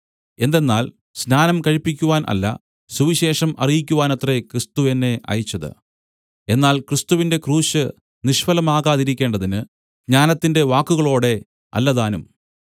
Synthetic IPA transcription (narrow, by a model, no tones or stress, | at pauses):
e̞nd̪e̞nːaːl | snaːnɐmkɐɻipːikʲːuʋaːnʔɐ̰lːɐ̰ | suʋiɕe̞ːʂɐmɐ̰rijikʲːuʋaːnɐt̪rekrɨst̪uʋenːe̞ʔɐ̰jit͡ɕːɐðɨ̰ | e̞nːaːlkrɨst̪uʋinde̞kruːɕɨ | niʂfɐlɐmaːɣaːðiɾikʲːe̞ːɳɖɐðinɨ | ɡɲaːnɐt̪ːinde̞ʋaːkːuɣɐɭo̞ːɽe̞ | ɐ̰lːɐðaːnum